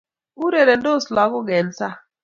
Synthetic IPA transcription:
u˦ɾe˨ɾe˨ndo˦sla˨˦kʊ˦ɡɛ˨n˦sa˦

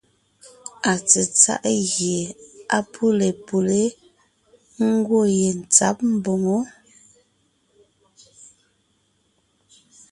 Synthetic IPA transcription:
a˨t͡sə˨t͡sa̰˦˨ʔɣje˨a̰˨pʰu˦le˨pu˨le˦ | ŋ̩˦ɡwo˦˨je˨n̩˨t͡sa̰˨˦p̚m̩˦bo˨ŋo˦

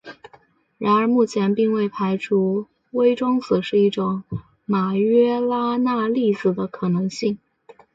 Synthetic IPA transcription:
ɻa˧˥nə˞˧˥mu˥˩t͡ɕʰjɛ˧˥npi˥˧ŋwe˥˩ɪpʰa˧˥ɪʈ͡ʂʰu˥ | we˥ɪʈ͡ʂwɑ˥ŋt͡sɹ̩˨˩ʂɻ̩˥˧i˥˩ʈ͡ʂʊ˨˩˦ŋ | ma˨˩ɥɛ˥la˥na˥˧li˥˧sɹ̩˨˩d̪ə˦kʰɤ˨˩nɤ˧˥ŋɕi˥˩ŋ

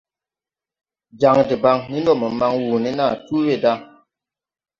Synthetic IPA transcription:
d͡ʒa˨ŋdi˨ba˨ŋni˦n˦dɔ˦˨mə˨ma˧ŋwu˨ni˦na˦˨tu˦we˦˨da˦

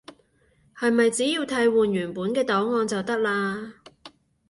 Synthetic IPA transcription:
hɐ˨jmɐ˨jt͡siː˨˥jiː˧wt̪ʰɐ˧jwuː˨njyː˨˩npuː˨˥nkɛː˧t̪ɔː˨˥wŋɔː˧nt͡sɐ˨wt̪ɐ˥k̚laː˧

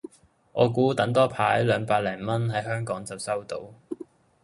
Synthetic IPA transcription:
ʔɔː˨˧kuː˨˥t̪ɐ˨˥ŋt̪ɔː˥pʰaː˨˥jlœː˨˧ŋpaː˧t̚lɛː˨˩ŋmɐ˥nɦɐ˨˥jhœː˥ŋkɔː˨˥ŋt͡sɐ˨wsɐ˥wt̪o̰˧˥w

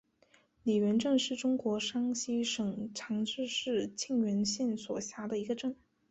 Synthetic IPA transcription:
li˨˩ɥɛ˧˥nʈ͡ʂɤ˥˧ŋʂɻ̩˥˩ʈ͡ʂʊ˥ŋkwɔ˧˥ʂɑ˥ŋɕi˥ʂɤ˨˩ŋʈ͡ʂʰɑ˧˥ŋʈ͡ʂɻ̩˥˧ʂɻ̩˥˧t͡ɕʰi˥˩ŋɥɛ˧˥nɕjɛ˥˩nswɔ˨˩ɕja˧˥d̪ə˧i˧˥ɡə˧ʈ͡ʂɤ˥˩ŋ

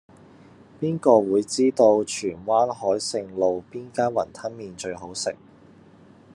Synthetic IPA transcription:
piː˥nkɔː˧wuː˨˧jt͡siː˥t̪o˧wt͡ʃʰyː˨˩nwaː˥nɦɔː˨˥jsɪ˧ŋlo˨wpiː˥nkaː˥nwɐ˨˩nt̪ʰɐ˥nmiː˨nt͡ʃɵ˧ɥɦo˨˥wsɪ̰˨k̚

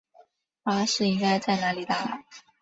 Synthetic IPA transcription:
fa˧˥ʂɻ̩˥˩i˥ŋka˥ɪt͡sa˥˩ɪna˧˥li˨˩t̪a˥˩la˧˩˦

